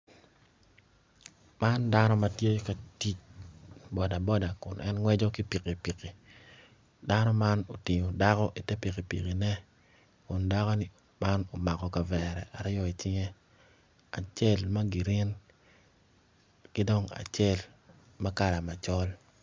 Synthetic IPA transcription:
ma˦nda˦nɔ˦ma˦tje˦ka˨ti˦t͡ʃ | bɔ˨da˨bɔ˦da˨kʊ˨nʔɛ̰˦nŋwɛ˦d͡ʒɔ˦ki˦pi˨ki˨pi˨ki˨ | da˦nɔ˦ma˦no˨tɪ˨ɲo˨da˦kɔ˦ʔi˨tɛ˦pi˨ki˨pḭ˨ki˨nɛ˦ | kʊ˨nda˦kɔ˦nɪ˦ | ma˦no˨ma˨kɔ˨ka˨vɛ˨ɾɛ̰˨ʔa˨ɾɪ˦ɔ˦˨i˨t͡ʃɪ˦ŋe˦ | a˨t͡ʃe˦lma˦ɡi˨ɾɪ˦n | kɪ˦do˦ŋa̰˨t͡ʃɛ˦l | ma˦ka˨ɾa˨ma˨t͡ʃɔ˦l

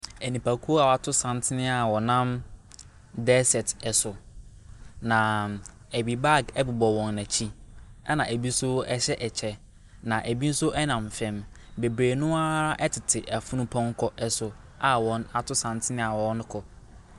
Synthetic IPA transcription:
ɛ˨nĩ˨pa˨kʰu˦o˦a˨wa˨tʰʊ˦sã˨ntʰɪ˦nɪ̃˦a˨wɔ˨nã˦m | dɛ˦sɛ˨tɛ˨sʊ˨ | nã˨ | æ˨bi˨ba˦˨ɡɛ˦bɪ˨bɔ˨wɔ̃˨nːæ̃˨t͡ɕʰi˦ɛ˦nã˨æ˨bi˦sʊ˦ɛ˦ɕɛ˦ʔɛ˨t͡ɕʰɛ˨ | nã˨ʔæ˨bi˦n̩˦sʊ˦ʔɛ˦nã˨m˨fɛ̃˨m | be˨bɾeː˨nʊ̃˦a˦ʔɛ˦tʰɪ˨tʰɪ˨ʔa˨fũ˦nʊ̃˦pʰɔ̃˦ŋ˦kʰɔ˨ʔɛ˨sʊ˨ | a˨wɔ̃˨na˨tʰʊ˦sã˨ntʰɪ˦nɪ̃˦a˨wɔ̃˨˦nʊ̃˦kʰɔ˨

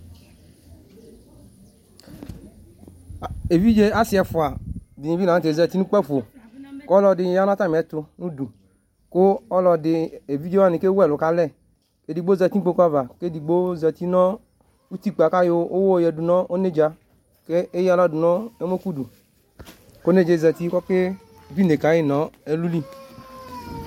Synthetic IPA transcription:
e˨vi˦d͡ʒe˦a˦si˨ɛ˨fʊ˨a˨dɪ˨ɲĩ˨vi˦na˨˦te˨zɛ˨t̪i˦nu˦k͡pɛ˦fo˨kɔ˦lɔ˧dɪ˨ɲ˨ja˦n˦a˦t̪a˦m˨ɛ˨˦t̪ʊ˧nũ˦du˨ | kʊ˦ɔ˦lɔ˨dɪ˨e˨vi˦d͡ʒe˦wa˦nĩ˨ke˦wɛ˦˨lʊ˨ka˦lɛ˦˨ | ke˨˦di˨ɡ͡bo˦zɛ˧ti˦k͡po˧ka˦va˨ke˦di˨ɡ͡bo˦zɛ˧ti˦nɔ˦ | u˦ti˦k͡pa˨ka˦jo˧o˦wo˦˨jɛ˨du˨nɔ˦o˦ne˦˨d͡ʒa˧ | ke˦e˦ja˦lɔ˦˨du˨nɔ˦e˦mo˦ku˦du˨ | ko˦ne˦˨d͡ʒe˨zɛ˧ti˦kɔ˦ke˦˨ | vi˦ne˨ka˨˦ji˦nɔ˨˦e˦lu˦li˦

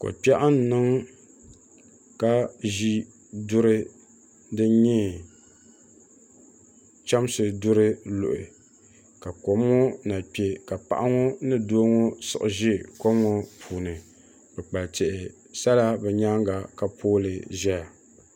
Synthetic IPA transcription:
ko̰˨pɛ˦ʔa˦n˦nɨ˦ŋ | ka˦ʒi˦ | dʊ˦ɾɨ˦ | dɨ˦ɲɛ˦ | t͡ʃa˦msɨ˨dʊ˦ɾɨ˦lʊ˨ʔɪ̰˨ | ka˨ko˨mŋo˦na˨pe˨ka˨pa˦˨ʔa˦ŋo˦nɨ˦do˦ŋo˦sɨ̰˨ʔʊ˨ʒɪ˦ko˦mŋo˦pʰuː˨nɨ˨ | bɛ˨k͡pa˨ltɛ˨ʔɪ˨ | sa˦la˦bɛ˨ɲa˦ŋɡa˨ka˨pʰoː˦lɨ˨ʒɛ˦ja˨

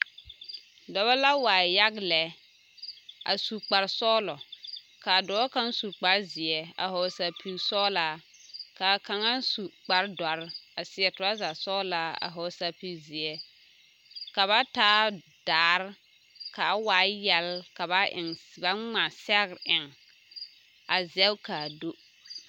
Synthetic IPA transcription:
dɔ˨ba˦la˦waː˨ja˦ɡlɛ˨ | ʔa̰˨su˨k͡pa˨ɾsɔː˦lɔ˨ | ka˨dɔː˨˦ka˦nsu˨k͡pa˨ɾzɪ˨ɛ˨a̰˨hɔ˨sa˨pʰi˨sɔː˦laː˨ka˨ka˨ŋa˦n˦su˨k͡pa˨ɾda˨ɾa˨sɪ˨˦ɛ˨tʊ˨a˦za˨sɔː˦laː˨˦a̰˨ɦɔ˨sa˨pi˦zɪ˨ɛ˦ | ka˨βa˦taː˦ | d̥aː˨˦ɾ | ka˨˦waː˨˦jɛ˨lka˨βa˦ɪ̰˨ŋba˦ŋ͡ma˨sɛ˦ɣɾʔɪ˨ŋ | a˨zɛ˦bka˨do˦

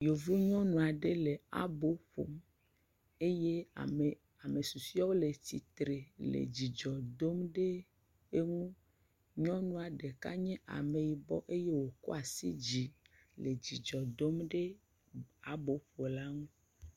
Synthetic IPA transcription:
jo˨vo˦ɲɔ̃˦nũ˨a˨ɖe˦le˨a̰˦bo˦ɸo̰˨m | e˦je˦˨ | a˨me˨su˨si˦ɔ˦wo˦le˨t̪i˨t̪ɾe˨lḛ˨d͡ʑi˨d͡ʒɔ˨d̪o˦mɖe˦ | e˦ŋũ˦ | ɲɔ̃˦nũ˦a˨ɖe˨ka̰˦ɲɛ̃˦ʔa̰˨me˨ji˨bɔ̰˦ʔe˦je˦wo˨ko̰˦a˨sḭ˦d͡ʑi˨ | le˨d͡ʑi˨d͡ʒɔ˨d̪o˦mɖe˦ | a˨bo˨˦ɸo˨la˦ŋũ˦

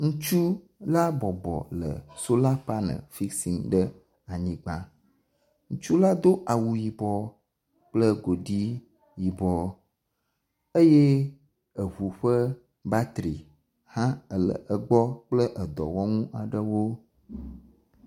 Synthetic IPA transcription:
ŋũ˦t͡ʃu˦ | la˦bɔ˨bɔ̰˨lə̰˨so˦la˦pa˦nə̰̃˨fi˦si˨ŋɖə˦ | a˨ɲĩ˦ɡ͡bã˦ | ŋũ˦t͡ʃu˦la˦d̪o˦ʔa˨wu˨ji˨bɔ˨ | k͡plə˦ɡo˨ɖi˦ | ji˨bɔ˨ | ə˦je˦ | ə˨βu˨ɸə˦ | ba˦t̪ɾi˨ | hã˦ə˨lə̰˨ʔə˨ɡ͡bɔ˦k͡plə˦ʔə˨d̪ɔ̰˨wɔ˦ŋũ˦ʔa˨ɖə˦wo˦

